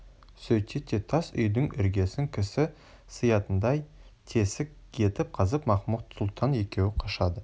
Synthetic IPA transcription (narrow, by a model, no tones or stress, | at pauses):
sɵjt̪ʰet̪ʰːet̪ʰɑsʏ̰jd̪ɪŋʏ̰ɾɡʲe̞sɪŋkʲʰɪsɪ | sɨjɑt̪ənd̪ɑjt̪ʰe̞sɪk | kʲʰe̞t̪ɪp̚qʰɑzəpmɑχmut̪sʊlˠt̪ʰɑnje̞kʲe̞wɪqʰoʃɑd̪ə